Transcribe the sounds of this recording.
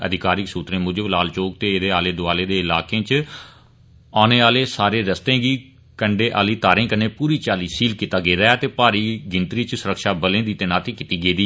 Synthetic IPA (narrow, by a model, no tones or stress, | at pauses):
ə̰d̪ɪkaːɾɪksuːt̪ɾẽːmʊd͡ʒəblaːlt͡ʃoːk̚t̪eːɪd̪eːaːleːd̪ʊaːleːd̪eːɪlaːkẽːt͡ʃ | aːneːaːleːsaːɾeːɾəst̪ẽːɡiː | kəɳɖeːʔa̰ːliːt̪aːɾẽːkəneːpuːɾiːt͡ʃaːliːsiːlkit̪aːɡeːɾəaːt̪eːpaːɾiːɡɪnt̪ɾiːt͡ʃsʊɾəkʃaːbəlẽːd̪iːt̪eːnaːt̪iːkɪt̪iːɡeːd̪iː